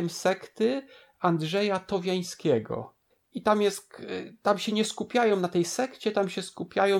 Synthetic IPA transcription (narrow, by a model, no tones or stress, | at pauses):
ɛmsɛkt̪ɘ | and̪ʐɛjat̪ɔvʲjaj̃skʲɛɡɔ̰ | it̪amjɛst̪t̪amɕɛɲɛskupʲjajɔ̃w̃nat̪ɛjsɛkt͡ɕɛt̪amɕɛskupʲjajɔ̃